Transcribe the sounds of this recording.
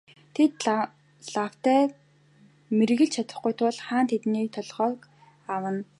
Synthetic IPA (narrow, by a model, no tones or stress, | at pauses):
t̪ʰet̪ | ɮaw̥t̪æː | mer̆ɣɘ̆ɮt͡ɕʰat̪ə̆χɡujt̪ʰʊɮχaːnt̪ʰet̪niːt̪ʰɔɮʁœːk | awə̆n